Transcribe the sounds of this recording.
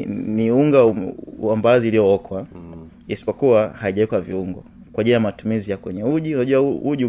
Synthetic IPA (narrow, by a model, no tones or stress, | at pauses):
niuŋɡaambaziulijɔɔkʰwa | isi̥pɔkuwahaiʄaikwaviuŋɡɔ̰ | kwaʄilajamatumizijakwɛɲɛuʄiunaʄuauʄi